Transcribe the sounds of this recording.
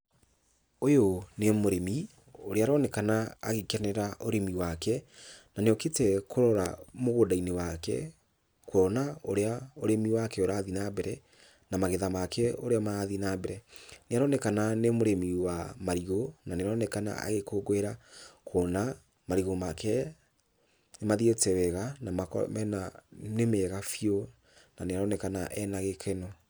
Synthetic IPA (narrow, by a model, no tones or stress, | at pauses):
ojonemoɾemi | oɾeaɾɔnɛkanaaɣekanɛɾaoɾemiwakɛnaneɔketɛkʰoɾɔɾa̰moɣodainewakɛ̰ | koɔnaoɾeaoɾemiwakɛoɾaːðinabɛɾɛ | namaɣeðamakɛoɾeamaaðinabɛɾɛneaɾɔnɛkananemoɾemiwamaɾiɣonaneɾɔnɛkana̰a̰ɣekoɡwɛɾakʰɔːna | maɾiɣomakɛ | nemaðietɛwɛɣanamakɔ̰mɛnanemɛɣafio | naneaɾɔnɛkanaʔɛnaɣekʰenɔ